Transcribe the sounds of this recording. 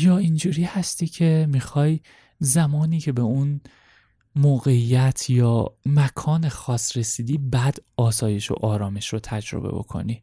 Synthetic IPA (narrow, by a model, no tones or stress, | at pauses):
jɒːind͡ʒuːɾiːhæst̪iːcʰe̞mixɒːj | zæmɒːniːcʰe̞beun | moːɣe̞ijæt̪ʰjɒːmækʰɒːnexɒːsɾe̞siːd̪iːbæd̪̥ɒːsɒːje̞ʃo̰ʔɒːɾɒːme̞ʃɾot̪ʰæd͡ʒɾo̞̰bḛbo̞̰kʰo̞̰ni